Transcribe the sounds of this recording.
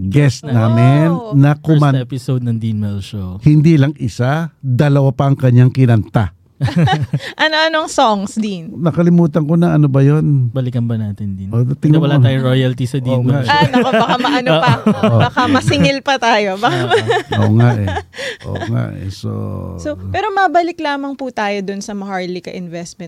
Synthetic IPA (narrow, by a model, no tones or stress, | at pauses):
ɡɛst̪naːmɪnːɐkomanpɪsowd̪̚nɐŋd̪inmɛlʃohɪnd̪iːlɐŋɪsad̪ɐlɐwapɐʔɐŋkɐɲːaŋkɪnɐnt̪a | ʔɐnoʔɐnoɐŋsoŋsd̪innɐkɐlɪmuːt̪ɐŋkonɐʔɐnobɐjonbɐlɪkɐnbɐnaːt̪ɪnd̪inʔod̪ɐt̪ɪŋwɐlaaːjʊŋɾojɐlt̪isɐd̪iaʔanɐobbɐkamɐʔɐnoopɐʔbɐkamɐsɪŋɪlpɐt̪aːjo̞bɐkaʔo̰ŋaʔɛʔo̰ŋa̰ʔɛ̰so̰sopɛːɾo̞mɐbɐlɪklaːmɐŋput̪aːjo̞d̪ʊnsɐmɐhaɹlikɐʔɪnvɛst̪̚mɛ̃n̚